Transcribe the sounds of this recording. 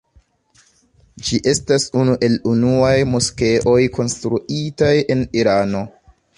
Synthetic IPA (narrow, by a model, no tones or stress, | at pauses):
d͡ʒiʔe̞stasunuʔe̞lunuajmuske̞ʔo̞jko̞nstɾuʔitaje̞niɾano̞